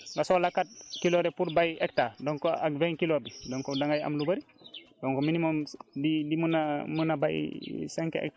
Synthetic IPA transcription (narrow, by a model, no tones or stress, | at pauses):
ɡasolakat̚kiloɾɛpuɾbajek̚tadoŋkoakveŋkilobidoŋkodaŋɡaja̰mlubɐɾi | doŋkominimomdidimunamənaba̰jsɛŋkḛʔɛ̰k̚t